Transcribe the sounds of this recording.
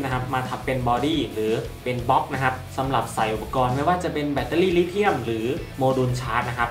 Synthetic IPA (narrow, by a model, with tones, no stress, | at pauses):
na˦˥kʰa˦˥p̚maː˧t̪ʰa˧˥mppe˧nbɔː˧diː˥˩ɾɯː˩˦ | pe˧nbɔ˦˥k̚na˦˥kʰa˦˥p̚sa˩˦mɾa˨˩p̚sa˨˩jʔu˨˩pːa˧kɔː˧nma˥˩jwaː˥˩t͡ɕa˨˩pe˧nbɛː˧˩t̪ːaː˧˥˩liː˥˩liː˥t̪ʰi˥˩əmɾɯː˩˦moː˧du˧nt͡ɕʰaː˦˥t̪̚na˦˥kʰa˦˥p̚